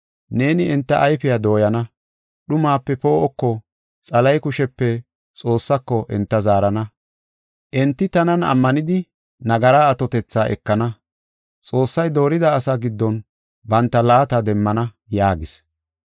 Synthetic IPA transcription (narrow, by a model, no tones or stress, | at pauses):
ne̞ːnɪɛnt̪ːɐʔːjfɪjad̪o̞ːjɐnɐ | ɗʊmaːpːɛpo̞ːʔɔkːɔ | t͡sʼɐlɐjkʊʃɛpːɛ | t͡sʼo̞ːsːɐkːɔʔɛ̰nt̪ːɐzaːɾɐnɐ | ʔɛnt̪ːɪt̪ɐnɐnɐ̰mːɐnɪd̪ɪ | nɐɡɐɾaːt̪ɔt̪ɛt͡sːaːʔɛ̰kːɐnɐ | t͡sʼo̞ːsːɐjd̪o̞ːɾɪd̪ɐːsaɡɪd̪ːɔn | bɐnt̪ːɐlaːt̪ɐd̪ɛmːɐnɐ | jaːɡɪs